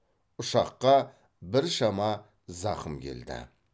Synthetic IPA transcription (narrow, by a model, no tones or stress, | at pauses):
ʊʃɑqːɑ | bɪɾʃɑmɑ | zɑqəmkʲʰe̞̰ld̪ɪ̰